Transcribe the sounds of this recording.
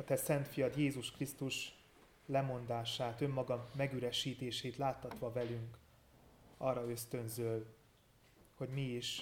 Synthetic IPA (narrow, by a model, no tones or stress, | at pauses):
ɒt̪ɛsɛnt̪fijɒt̪jeːzuʃkrist̪uʃ | lɛmo̞nd̪aːʃaːt̪ø̞mːɒɡɒmːɛɡyɾɛʃiːt̪eːʃeːt̪laːt̪ːɒt̪ʋɒvɛlyŋk | ɒrːɒø̞st̪ø̞nzøl | ho̞ɟmiiʃ